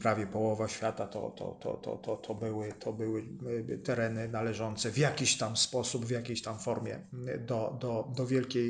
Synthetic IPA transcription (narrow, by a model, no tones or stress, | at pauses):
pɾavʲjɛpɔwɔvaɕfʲjat̪at̪ɔ̰t̪ɔ̰t̪ɔ̰t̪ɔ̰t̪ɔt̪ʰɔbɘwɘt̪ʰɔbɘwɘt̪ɛɾɛnɘnalɛʐɔnt̪sɛvjakʲiɕt̪amspɔsubvjakʲejɕt̪amfɔɾmʲjɛ̰d̪ɔd̪ɔd̪ɔvʲjɛlkʲej